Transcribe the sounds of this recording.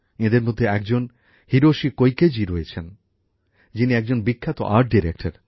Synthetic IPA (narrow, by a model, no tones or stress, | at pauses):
ed̪eɾmod̪ʱːeɛk̚d͡ʑon | hiɾoʃikojked͡ʑiɾoet͡ɕʰen | d͡ʑiniɛk̚d͡ʑonbikʰːat̪o̰ʔaɾʈ̚ɖiɾek̚ʈaɾ